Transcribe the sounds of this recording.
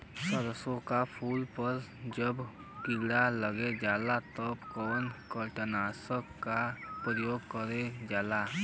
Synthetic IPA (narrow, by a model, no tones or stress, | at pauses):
səd̪əsõkapʰuːlpəɾd͡ʒəb | kɪɡɽaləɡed͡ʒaːlat̪əbkɔːnkəlʈənaːsəkkapɾəjoːɡkəɾed͡ʒaːla